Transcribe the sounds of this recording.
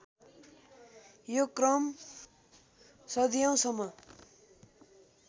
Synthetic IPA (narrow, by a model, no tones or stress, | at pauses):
jokrʌm | sʌd̪ijaw̃sʌmːʌ